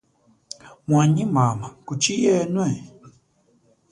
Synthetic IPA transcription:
mwaɲimamakut͡ʃijɛnwɛ

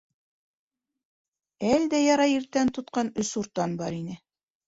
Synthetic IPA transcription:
æld̪æjɑɾɑiɾt̪ænt̪ŏt̪qɑnɵsuɾt̪ːɑnbɑɾinɘ

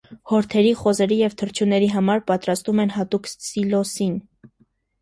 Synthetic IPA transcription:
hɔɾt̪ʰɛɾiχɔzɛɾijɛvt̪ʰəɾt͡ʃʰjunɛɾiɦɑmɑɾpɑt̪ɾɑst̪umɛnɦɑt̪uksilɔsin

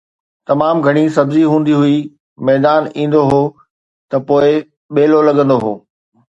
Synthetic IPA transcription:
t̪ɐmaːmɡʱɐɽ̃is̬ɐbziɦũːn̆d̪iɦʊi | mɛːd̪aːnĩːn̆d̪oɦoː | t̪ɐpoːɪ | ɓeːlolɐɠə̃nd̪oɦoː

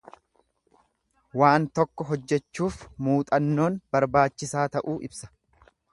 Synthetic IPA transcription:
waːnt̪ɔkːɔɦɔd͡ʒːɛt͡ʃːuːfmuːt̪ʼɐnːo̞ːnb̥ɐɾbaːt͡ʃːɪsaːt̪ɐʔuːʔɪbsɐ̥

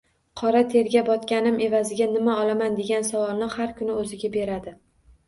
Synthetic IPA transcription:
qʰɒɾat̪ʰe̞ɾɡʲabɒt̪kʲanɪmʔe̞vazɪɡʲanɪmaɒlamand̪e̞ɡʲansavɒlˠnɪhaɾkʰʊnɪɵzɪɡʲabe̞ɾad̪ɪ

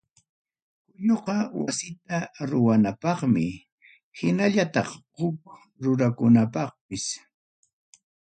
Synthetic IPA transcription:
kʊʎoqɑwasɪt̪aɾʊwanapɑχmɪ | hɪnaʎat̪ɑ̰χhʊk̚ | ɾʊɾakʊnapɑχpɪs

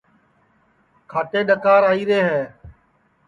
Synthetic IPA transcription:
kʰaːʈeːɗəkaːɾaːiːɾeːɦɛː

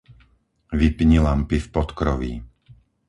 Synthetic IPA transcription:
ʋipɲilampifpɔt̪kɾɔʋḭ

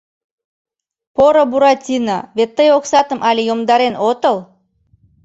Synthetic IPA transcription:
poɾobuɾɑt̪ʲinɑβet̪ːəjoksɑt̪əmʔɑlʲejomd̪ɑɾenot̪əlˠ

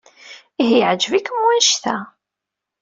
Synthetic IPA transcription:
iɦijʕd͡ʒəvikəmwænʃθæ

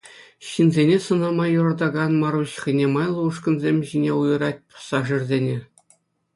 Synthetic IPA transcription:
ɕinzʲenʲesɤ̆nɑmɑjurɑd̪ɑɡɑnmɑɾuɕχʲĭnʲemɑjlˠɤ̆uʂkɤ̆nzʲemʲʑinʲeujɤ̆ɾɑt̚ʲpɤ̥sɑʐirʲzʲenʲe

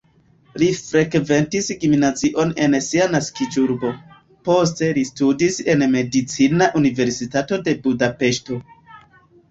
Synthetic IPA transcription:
lifɾe̞kve̞ntisɡminat͡siʔo̞ne̞nsianaskid͡ʒuɾbo̞ | po̞s̬te̞listudise̞nme̞dit͡sinaʔunive̞ɾsitato̞de̞budape̞ʃto̞

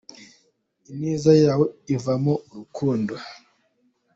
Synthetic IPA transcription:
iniːzajaːweivamouɾukʰuːndo

